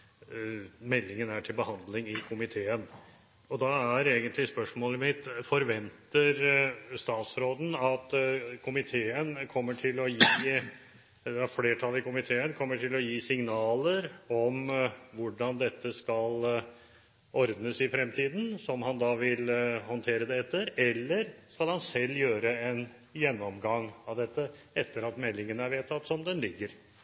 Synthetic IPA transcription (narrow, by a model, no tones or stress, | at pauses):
mɛlːɪŋənæʈʰɪlbəhɑnd̪lɪŋɪkʰʊmɪt̪ʰeːən | ɔd̪ɑæɾeːɡənt̪lɪspœʂmoːləmɪt̪fɔɾʋɛnt̪əɾst̪ɑːt̪sɾoːd̪n̩ɑt̪kʰʊmɪt̪ʰeːənkʰɔmːəʈʰɪlɔjiː | d̪ɛæɾfleːʈʰɑlːɪkʊmɪt̪ʰeːənkʰɔmːəʈʰɪlɔjiːsɪŋnɑːləɾɔmʋʊɖɑnd̪ɛt̪ːəskɑl | ɔɾd̪nəsɪfɾɛmt̪ʰiːd̪n̩sɔmhɑnd̪ɑʋɪlhɔnt̪ʰeːɾəd̪ɛɛt̪ːəɾɛlːəɾskɑlhɑnsɛlːjøːɾəɛn | jɛnːɔmɡɑŋɑʋd̪ɛt̪ːə | ɛt̪ːəɾɑt̪mɛlːɪŋənəæɾʋeːt̪ʰɑt̪ːsɔmd̪ɛnlɪɡːəɾ